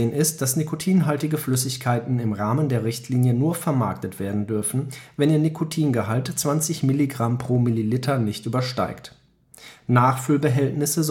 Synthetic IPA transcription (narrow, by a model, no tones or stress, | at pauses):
ənɪst̚d̥asnikʰotʰiːnɦaltɪɡəflʏsɪçkʰaɪtn̩ɪmʁaːməndeːɐʁɪçtʰliːnjənuːɐfɛɐmaɐk̚tətv̥eːɐdn̩dʏɐfn̩vɛniːɐnikʰotʰiːnɡəɦaltt͡sv̥ant͡sɪçmɪliɡʁampʁ̥oːmililɪtʰɐnɪçtʔyːbɐʃta̰ɪkt | naːχfʏlbəɦɛltnɪsəz